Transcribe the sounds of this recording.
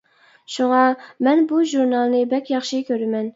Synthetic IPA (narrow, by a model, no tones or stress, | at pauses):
ʃuŋɑmɛnbuʒuɾnɑlˠnɨbɛkʲjɑχʃikʲʰøɾɪmɛn